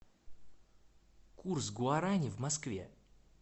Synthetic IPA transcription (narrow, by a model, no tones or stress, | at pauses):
kursɡʊaɾanʲɪvmɐskvʲḛ